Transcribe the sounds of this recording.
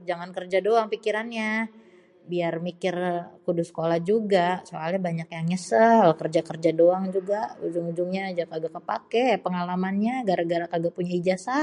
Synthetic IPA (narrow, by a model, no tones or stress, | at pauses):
d͡ʒaŋankərd͡ʒadoaŋpikiɾanɲa | biarmikɪrkudusə̥kolahd͡ʒuɡasokalɲabaɲakjaŋɲəsəhalokərd͡ʒakərd͡ʒadoaŋd͡ʒuɡaud͡ʒʊŋud͡ʒʊŋɲad͡ʒakaɡakəpa̰kepəŋalamanɲaɡaɾaɡaɾakaɡapuɲaid͡ʒasa